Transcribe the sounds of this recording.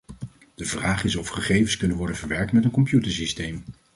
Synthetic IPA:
d̥əvraːχɪsɔfχəχejvənskɵnənʋɔɹdənvəɹʋɛɹk̚tmɛtənkɔmpjutəɹsistejm

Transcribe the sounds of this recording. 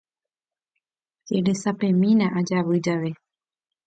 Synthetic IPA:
keɾesapẽ̞mĩnãʔad͡ʒaʋɨd͡ʒaʋe

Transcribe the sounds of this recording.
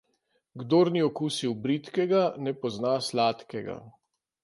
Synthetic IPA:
ɡd̪oːɾniɔkusiwbɾit̪kɛɡanɛpɔznaslaːt̪kɛɡa̰

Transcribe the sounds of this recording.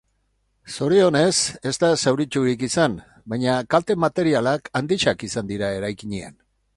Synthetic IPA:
so̞ɾio̞ne̞se̞zt̪asawɾit͡ʃuɾikisan | bajɲakalt̪e̞mat̪e̞ɾialakand̪iʃakisand̪iɾae̞ɾajkiɲea̰n

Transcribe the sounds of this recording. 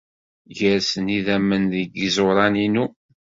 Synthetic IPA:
ʝəɾsəniðæmːənðəɡəzoɾˤɑninu

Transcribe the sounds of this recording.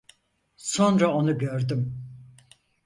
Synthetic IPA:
sonɾao̞nuɟøɾd̪ym

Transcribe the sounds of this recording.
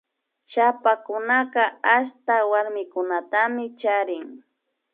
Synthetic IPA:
ʃapakʊnaqɑaʃt̪awaɾmɪkʊnat̪amɪt͡ʃaɾɪŋ

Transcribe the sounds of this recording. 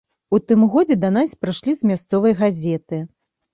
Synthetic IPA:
ut̪ɨmɣɔd͡zʲɛd̪ɐnasʲpɾɨʂlʲizmʲast̪sɔvɐjɣazʲɛt̪ɨ

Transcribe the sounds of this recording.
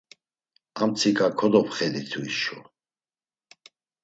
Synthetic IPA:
amt͡sʰikʼakʰɔd̪ɔpχɛd̪it̪ʰuḭʃṵ

